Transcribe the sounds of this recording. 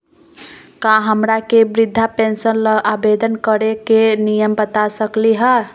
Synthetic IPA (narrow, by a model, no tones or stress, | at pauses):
kãɦəmɾakebɾid̪ʱːapensənləʔabed̪ənkəɾekenijəmbət̪asəkliɦə